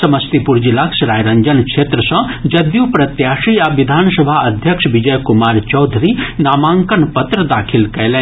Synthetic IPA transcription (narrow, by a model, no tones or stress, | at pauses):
sɐmɐst̪ipuɾd͡ʒilaksɾaːjɾɐɲd͡ʒɐnkʂʰeːt̪ɾəsɐ̃d͡ʒɐd̪jupɾɐt̪jaːʃiaʋid̪ʱaːnsɐbʱaɐd̪ʱjɐkʃʋid͡ʒɐjkumaːɾt͡ʃɔwd̪ʱɾinaːmãːŋkənpɐt̪ɾəd̪aːkʰilkɐjlɛ̃